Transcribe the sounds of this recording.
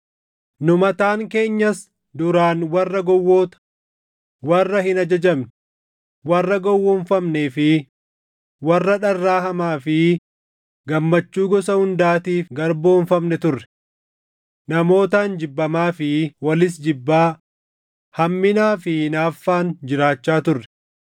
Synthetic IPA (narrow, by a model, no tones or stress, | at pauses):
nʊmɐt̪aːŋke̞ːɲːɐs | d̪ʊɾaːnwɐrːɐɡɔwːoːt̪ɐ̥ | wɐrːɐhɪnɐd͡ʒɐd͡ʒɐmn | wɐrːɐɡɔwːɔːɱfɐmneːfɪ | wɐrːɐᶑɐrːaːɦɐmaːfɪ | ɡɐmːɐt͡ʃːuːɡɔsɐhʊnd̪aːt̪iːfɡɐɾbo̞ːɱfɐmnɛt̪ʊrːɛ̥ | nɐmo̞ːt̪aːnd͡ʒɪbːɐmaːfɪwɐlɪs̬d͡ʒɪbːaː | hɐmːɪnaːfɪnaːfːaːnd͡ʒɪɾaːt͡ʃːaːt̪ʊrːɛ̥